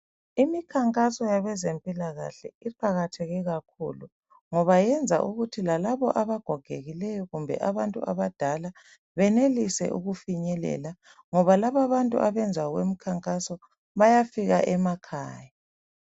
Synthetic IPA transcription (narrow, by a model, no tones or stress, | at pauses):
imikʰaŋkʼasɔjaβɛzempʼilaɣa̰ɬɛ̰iǃʰaɣatʰeɣiɣakʰṵlu | ŋɔβajɛnd͡zʱa̰ʔuɣutʰilalaβɔ̰ʔaβaɡ̥ʱɔɡ̥ʱeɣilɛjɔɣumbʱɛ̰ʔaβantʼṵʔa̰βad̥ʱala | βɛnelisɛ̰ʔṵɣufiɲɛlɛ̰la | ŋɔβalaβaβantʼṵʔaβɛnd͡zʱaɣwḛmikʰaŋkʼasɔ | βajafiɣa̰ʔɛmakʰa̰ːja